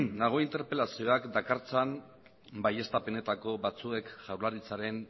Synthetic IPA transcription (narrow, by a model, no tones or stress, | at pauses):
nːaɣ̞o̞int̪e̞ɾpe̞lasio̞akd̪akaɾt͡san | baje̞st̪apene̞t̪ako̞βat͡sue̞kʝawɾlaɾit͡saɾe̞n